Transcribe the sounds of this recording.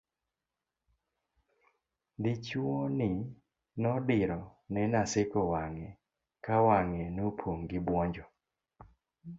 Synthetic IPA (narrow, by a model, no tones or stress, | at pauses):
dɪt͡ʃuɔnɪ | nɔdɪɾɔnɛnasɪkɔwaŋɛ | kawaŋɛnopʰoŋɡɪbwɔɲd͡ʒɔ